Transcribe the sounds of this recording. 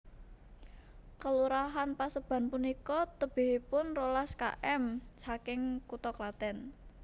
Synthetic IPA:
kəluɾaɦanpasəb̥a̤npunikɔt̪əb̥ɪ̤ɦipʊnrolaska̰ʔɛmt͡ʃakɪŋkut̪ɔklat̪ɛn

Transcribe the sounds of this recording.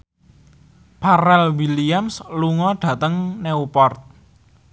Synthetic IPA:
paɾɛlwiliamsluŋɔɖ̥ä̤t̪əŋneupɔrt̪̚

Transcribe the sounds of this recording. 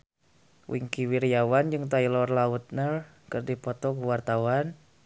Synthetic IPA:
wʔḭŋkiwiɾijawand͡ʒɨŋt̪ailɔrlaut̪̚nər | kɨrdipɔt̪ɔkuwart̪awan

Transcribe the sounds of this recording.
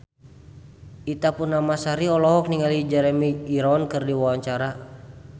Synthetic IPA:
ʔit̪apunːamasaɾiɔlɔɦɔk̚niŋalid͡ʒɛɾɛmiːɾɔnkɨrdiwawaɲt͡ʃaɾa

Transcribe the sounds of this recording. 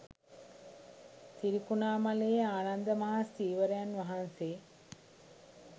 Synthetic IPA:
t̪iɾikunaːmaleːaːnand̪əmaɦasiːʋəɾejanʋaɦanseː

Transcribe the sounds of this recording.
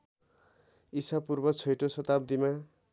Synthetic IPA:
isapurbʌt͡sʰʌjʈosʌt̪abd̪ima

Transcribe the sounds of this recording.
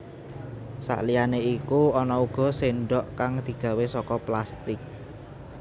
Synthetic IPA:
sa̰ʔlijaneikuɔnɔuɡ̥ɔ̤seɳɖɔʔkaŋd̪̥i̤ɡ̥ä̤wesɔkɔplast̪ɪk̚

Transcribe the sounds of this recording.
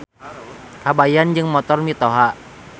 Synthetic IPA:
habajand͡ʒɨŋmɔt̪ɔrmit̪ɔɦa

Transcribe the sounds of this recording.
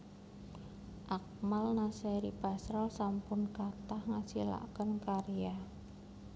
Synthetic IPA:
ʔak̚malnaseɾib̥asɾalsampʊnkat̪ahŋasila̰kənkaɾija

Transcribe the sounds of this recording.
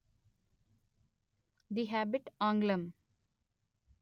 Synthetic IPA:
d̪iɦæbɪʈãːŋɡlə̃m

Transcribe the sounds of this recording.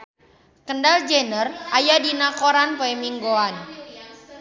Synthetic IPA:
kəndald͡ʒenərajadinakoɾanpoɛmiŋɡoan

